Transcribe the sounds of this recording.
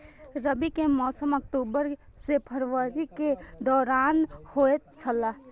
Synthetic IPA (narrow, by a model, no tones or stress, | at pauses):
ɾəbikemɔːsəmək̚ʈ̪uːbəɾ | sepʰəɾʋəɾiked̪ɔːɾaːnhoːet͡ʃʰəlaː